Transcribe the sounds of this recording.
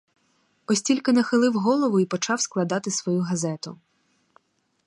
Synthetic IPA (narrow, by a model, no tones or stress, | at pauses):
ɔsʲtʲilʲkɪnɐxɪlˠɪwɦɔlˠɔʋʊipɔt͡ʃɑwsklˠɐd̪ɑt̪ɪsʋɔjuɦɐzɛt̪ʊ̰